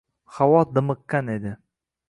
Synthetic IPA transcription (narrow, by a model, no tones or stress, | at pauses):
χawɒd̪ɨmɨkːaned̪ɪ